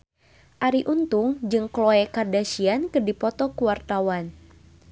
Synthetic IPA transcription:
ʔaɾiʔunt̪uŋd͡ʒɨŋklɔɛkardaʃiankɨrdipɔt̪ɔkuwart̪awan

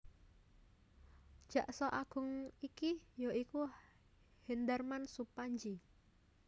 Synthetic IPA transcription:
ʒ̥ä̤ʔsɔʔaɡ̥ʊ̤ŋikijoʔiku | hind̪ərmansupaɲd͡ʒi

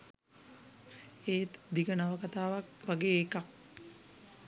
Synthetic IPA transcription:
eːt̪d̪iɡənaʋəkat̪aːʋak̚ʋaɡeːkak̚

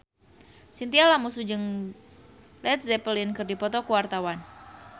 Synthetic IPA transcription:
sint̪ialamusud͡ʒɨŋ | lɛt̪̚zɛpəlinkɨrdipɔt̪ɔkuwart̪awan

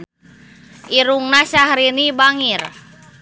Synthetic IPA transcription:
ʔiɾuŋnasahɾinibaŋir

